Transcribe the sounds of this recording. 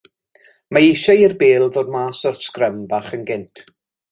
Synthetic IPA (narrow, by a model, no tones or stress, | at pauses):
maɪʃairbeːlˠðoːd̚maːsɔrskrəmbaːχənɡɪntʰ